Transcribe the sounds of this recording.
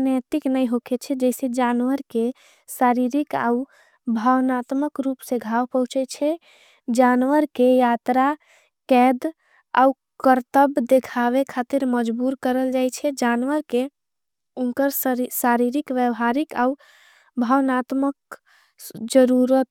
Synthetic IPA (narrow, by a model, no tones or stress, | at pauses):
nət̪iknəjɦoket͡ʃʰɛd͡ʒɛɪsed͡ʒanʋəɾke | saɾiɾika̰u | bʱəwnat̪məkɾupsẽɡʱawpəɦũt͡ʃɛt͡ʃʰɛ | d͡ʒanʋəɾkejat̪ɾa | kɛd̪ | a̰u | kəɾt̪əbd̪ekʰaʋekʰat̪iɾməd͡ʒbuɾkəɾəld͡ʒajt͡ʃʰɛd͡ʒanʋəɾke | unkəɾsaɾiɾikʋjəʋɦaɾikau | bʱəwnat̪mək | d͡ʒəɾuɾət̪̚